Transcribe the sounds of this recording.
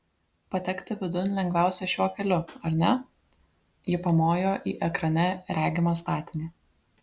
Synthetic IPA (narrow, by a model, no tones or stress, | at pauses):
pɐt̪ʲɛkt̪ʲɪʋʲɪd̪ʊnʲlʲɛŋɡʋʲæˑʊsʲɛʃʲuɔkʲɛlʲʊɐɾʲnʲɛ | jɪpɐmoːjoːʔiːʔɛkɾɐnʲɛɾʲæːɡʲɪmoːst̪ɑːt̪ʲɪnʲiː